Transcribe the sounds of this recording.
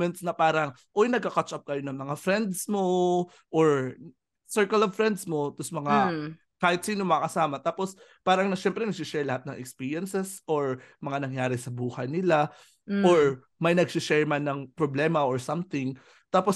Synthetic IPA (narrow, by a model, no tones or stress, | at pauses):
mɛnt̪snɐpaːɾɐŋ | ʔojnɐɡ̚kɐkat͡ʃʔɐp̚kɐjonɐŋmɐŋafɾɛnd̪smo | ʔoɹ | sɛɹkɐlovfɹɾɛnd̪smo̞t̪osmɐŋa | kaːhɪt̪̚siːnomɐɐkɐsaːmɐt̪aːpos | paːɾɐŋnɐʃɛmpɾɛnɐɡ̚siʃɛɹlɐhat̪̚nɐŋʔɛ̰kspiɹjɛnsɛsʔoɹmɐŋanɐŋjaːɾɪsɐbuːhɐjnɪla | ʔoɹ | mɐjnɐɡsɪʃɛɹmɐnɐŋpɾoblɛːmɐʔoɹsɐmθɪŋ | t̪aːpos